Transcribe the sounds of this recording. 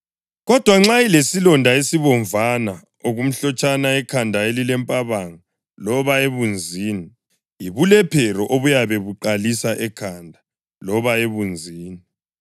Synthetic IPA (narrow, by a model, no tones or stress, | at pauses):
ɣɔd̥ʱwaŋ͡ǁailesilɔndʱaesiβɔɱvʱana | oɣum̩ɬɔt͡ʃʼanaɛkʰandʱaelilɛmpʼaβaŋa | lɔβaeβund͡zʱiːni | iβulɛpʰɛɾɔʔoβujaβɛβuǃalisaʔɛkʰandʱa | lɔβaeβund͡zʱiːni